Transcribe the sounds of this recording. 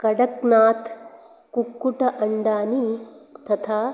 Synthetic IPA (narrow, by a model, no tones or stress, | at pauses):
kɐɽɐknaːt̪ʰ | kukːuʈɐʔɐɳɖaːnit̪ɐt̪ʰaː